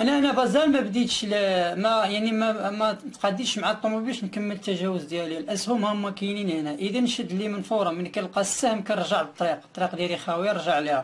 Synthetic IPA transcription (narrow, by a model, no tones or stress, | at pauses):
ʔnæʔnæbɑzælmæbd̪it̪ʃlimæjaʕnimæmæt̪qɑd̪ːəʃmaʕat̪ˤːomæbiʃnkəmːəlt̪ːæʒæwəzd̪jælilʔəshʊmhæmːækininænæʔəd̪ænʃəd̪limənfɑɾˤɑmənkælqɑsːæhəmkænɾˤʒəʕbət̪ˤːɾiq̚t̪ːˤɾiqd̪ælixæwiɾˤʒəʕlihæ